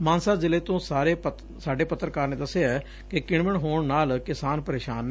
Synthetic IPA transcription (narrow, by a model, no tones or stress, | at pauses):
maːnsaːzɪleːt̪õːsaːɾeː | saːɖeːpət̪ːɾkaːɾneːd̪əsːeɛː | kɪkɪɳməɳɦoːɳnaːlkɪsaːnpəɾeːʃaːnːɛ